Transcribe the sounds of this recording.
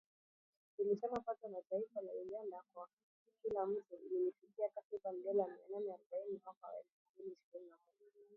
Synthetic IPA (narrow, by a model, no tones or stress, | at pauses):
kiliʃamapatɔmataifalauɡandakwwakataikilam̩tuilimifikiakatikambɛlamiananɛaɾuɓainimwakawa̰ɛlfumbiliːʃiɾininamɔʄaa